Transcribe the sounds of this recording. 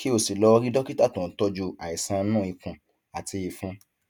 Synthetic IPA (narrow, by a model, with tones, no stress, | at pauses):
ki˦o˦˨si˨lɔ˧ɾi˦dɔ˦ki˦ta˦˨tũ˨˦tɔ˧d͡ʒu˧a˨i˨sã˧nũ˦˨i˨˧kũ˧ | a˨ti˧i˧fũ˧